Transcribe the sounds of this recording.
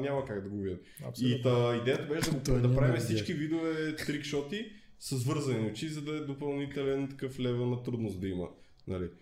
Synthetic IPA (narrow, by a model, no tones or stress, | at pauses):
nʲamɐkaɡd̪ɐɡovid̪ɛm | sit̪əid̪ɛjət̪ɐbɛʃɛd̪ɐɡopd̪ɐpɾavimɛfsit͡ʃkivid̪ovɛt̪ɾikʃɔt̪i | səzvɤɾzɐniot͡ʃizɐd̪ɐɛd̪opɐlˠnit̪ɛlɛnt̪ɐ̥kɤflɛvənɐt̪ɾud̪nosd̪ɐimə̰ | nɐli